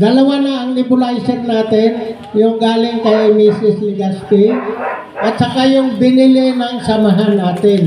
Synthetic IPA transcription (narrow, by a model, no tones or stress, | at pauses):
ɡ̪ɐlɐwanɐɐŋnɪpʊlajsɛɾnaːt̪ɪn | jʊŋɡaːlɪŋkɐmiːsɪslɪɡɐst̪in | ʔɐt̪̚t͡ʃɐkajʊŋbɪnɪlɪnɐŋsɐmɐɦanːaːt̪ɪn